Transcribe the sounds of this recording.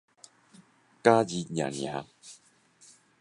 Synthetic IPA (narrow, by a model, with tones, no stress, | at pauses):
ka˦d͡ʑi˨˧ɲjã̰˨˩ŋjã̰˨˦